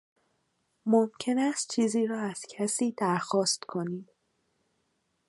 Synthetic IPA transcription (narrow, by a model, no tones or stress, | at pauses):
momcʰe̞næst̪̚t͡ʃʰiːziːɾɒːæz̥cʰæsiːd̪æɾxɒːst̪kʰo̞niːm